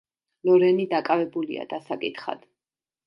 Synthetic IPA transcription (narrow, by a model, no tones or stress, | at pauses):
lɔɾɛnid̪akʼavɛbulḭa̰d̪asakʼit̪ʰχa̰d̪̥